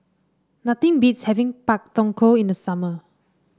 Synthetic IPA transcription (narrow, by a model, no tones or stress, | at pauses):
nat̪ĩŋbitshɛvĩŋpak̚tɔ̃ŋkʰoĩndəsamə